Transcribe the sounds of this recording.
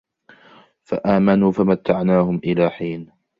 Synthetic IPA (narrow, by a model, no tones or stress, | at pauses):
fa̰ʔaːmanuːfamat̪ːaʕnaːhʊmʔɪlaːħiːn